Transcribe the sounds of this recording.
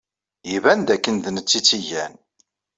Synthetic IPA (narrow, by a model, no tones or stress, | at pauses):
jivænd̪ækːənðənət͡sːit͡sːijæn